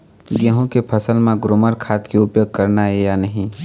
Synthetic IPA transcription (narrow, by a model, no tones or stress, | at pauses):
ɡeɦõkepʰəsəlmẽɡɾoːməɾkʰaːt̪keʊpjoːɡ̚kɐɾnaɦejanəɦĩ